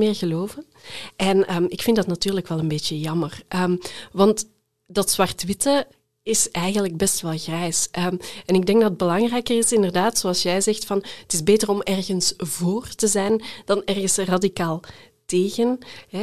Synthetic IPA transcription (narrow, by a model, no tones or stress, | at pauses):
mɪːrɣəloːvən | ʔɛnəːmɪkfɪndɑtnatyːrləkʋɛlˠənbeːtjəjɑmərʔəmʋɑnt | dɑtsʋɑrtʋɪtə | ɪsɛjɣənləɡ̚bɛstʋɛlˠɣrɛjsʔəmɛnɪɡ̚dɛŋɡdɑtəd̚bəlɑŋrɛjkərɪsɪndərdaːtsoɑlˠsjɛjzɛxtfɑnətɪzbeːtərɔmɛrɣənsvoːrtəzɛjnd̥ɑnɛrɣəsradikaːlˠteːɣənɦɛ